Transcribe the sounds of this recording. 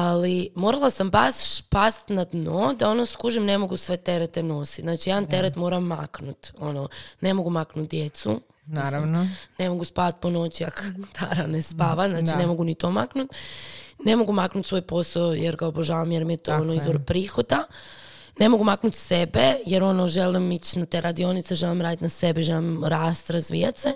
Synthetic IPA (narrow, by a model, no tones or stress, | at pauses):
alimo̞ːɾalasambaspast̪nad̪nod̪ao̞noskuʒimne̞mo̞ɡusʋe̞t̪e̞ɾet̪eno̞si̥naːt͡ʃijaant̪e̞ɾet̪mo̞ːɾamːa̰knut̪o̞none̞mo̞ɡumaknut̪̚d̪jet̪sṵ | naɾanone̞mo̞ɡuspaʋat̪̚po̞no̞t͡ɕiakot̪ʰaɾanespaːʋaznaːt͡ʃine̞mo̞ɡunit̪omaknut̪ne̞mo̞ɡumaknut̪sʋo̞ːjpo̞saojeɾɡaoboʒaːʋamjeɾmijet̪oːonoizʋoɾpɾiːxo̞d̪a | ne̞mo̞ɡumaknut̪sebejeɾo̞noʒelimit͡ɕnat̪eɾʔad̪io̞nit̪seʒelimɾaːd̪it̪nasebeʒelimɾaːst̪ɾazʋḭːjat̪se